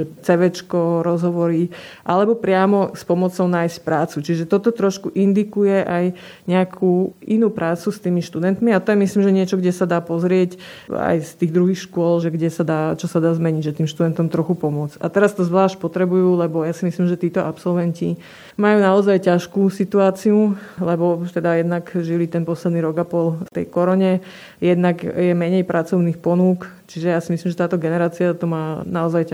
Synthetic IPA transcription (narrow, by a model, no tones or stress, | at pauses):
ʒɛt͡sɛʋɛt͡ʃkɔɾɔzɦɔʋɔɾiʔalɛbɔpɾɪamɔspɔmɔt͡sɔʊnaːjscpɾaːt͡sut͡ʃiʒɛt̪ɔt̪ɔt̪ɾɔʃkuʔind̪ikujɛʔaj | ɲɛakʰuːʔinuːpɾaːt͡sust̪iːmiʃt̪ud̪ɛnt̪miat̪ɔjɛmisliːmʒɛɲɪɛt͡ʃɔɡɟɛsad̪aːpɔzɾɪɛc | a̰jst̪iːɣd̪ɾuɦixʃkʊɔlʒɛɡɟɛsad̪aːt͡ʃɔsad̪aːzmɛɲiɟʒɛt̪iːmʃt̪ud̪ɛnt̪ɔmt̪ɾɔxupɔmʊɔd͡za̰t̪ɛɾast̪ɔzʋlaːʃc̚pɔt̪ɾɛbujuːlɛbɔjaːsimislimʒɛt̪iːt̪ɔʔapsɔlʋɛnci | majuːnaɔzajcaʃkuːsit̪uaːt͡siulɛbɔt̪ɛd̪ajɛd̪naɡʒilit̪ɛnpɔslɛd̪niɾɔɡapɔlft̪ɛ̰jkɔɾɔɲɛ | jɛd̪naɡjɛmɛɲɛjpɾʔat͡sɔʊnixpɔnuːk | t͡ʃiʒɛjaːsimislimʒɛt̪aːt̪ɔɡɛnɛɾaːt͡siat̪ɔmaːnaɔzajca